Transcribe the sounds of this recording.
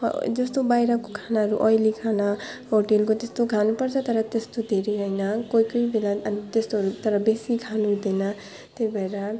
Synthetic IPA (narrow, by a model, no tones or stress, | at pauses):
d͡zʌst̪obajɾakokʰanaɦʌɾuʔʌjlikʰana | ɦoʈelkot̪est̪oɡʱanupʌɾt͡sʰʌt̪ʌɾʌt̪est̪od̪ʱeɾiɦʌjnakoikʌibelaʌnit̪est̪oɦʌɾut̪ʌɾʌbesiɡʰʱanud̪ʱejna | t̪eibʱaeɾa